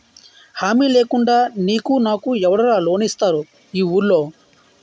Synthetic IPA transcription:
haːmiːle̞ːkuɳɖaːniːkunaːkuɛʋɐɽɐlaːlo̞ːnist̪aːɾu | iːuːɾlo̞ː

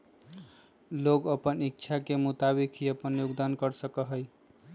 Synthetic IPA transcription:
loɡəpənik̚t͡ʃʰakemut̪abikiəpənjuɡd̪ankəɾsəkəɦəj

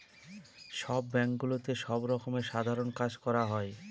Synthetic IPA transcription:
ʃɔbːɛŋkɡulot̪eʃɔbɾɔkomeʃad̪ʱaɾonkad͡ʑkɔɾaɦɔe

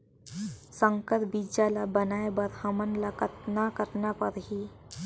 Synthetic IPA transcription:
sə̃ŋkət̪biːd͡ʒalabənaːebəɾhəmənlakət̪nakəɾnapəɾɦiː

